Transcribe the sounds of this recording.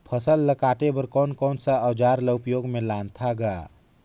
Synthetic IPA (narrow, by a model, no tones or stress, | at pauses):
pʰəsəlːəkaːʈebəɾkɔːnkɔːnsəəwd͡ʒaːɾləpjoɡmẽlãnt̪ʰaɡa